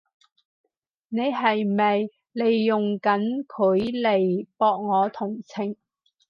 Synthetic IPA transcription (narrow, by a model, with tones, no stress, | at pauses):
ne˨˧jɦɐ˨jmɐ˨j | le˨jːʊ˨ŋkɐ˨˥nkʰɵ˨˥ɥle˨˩jpɔː˧k̚ŋɔː˨˧t̪ʰʊ˨˩ŋt͡sʰɪ˨˩ŋ